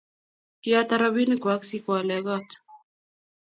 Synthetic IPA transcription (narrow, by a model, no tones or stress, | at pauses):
kiat̪aɾaβinikwaksikwalɛɣɔt̪